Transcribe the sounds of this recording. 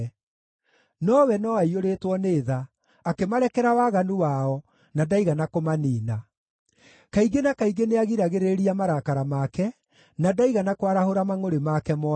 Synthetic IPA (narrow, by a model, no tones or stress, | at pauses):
nɔwɛnɔaioɾetwɔneːða | akemaɾɛkɛɾawaɣanuwaɔ | nadaiɣanakomaniːna | kaiɡenakaiɡeneaɣiɾaɣeɾeɾiamaɾakaɾamakɛ | nadaiɣanakwaɾahoɾamaŋoɾemakɛmɔ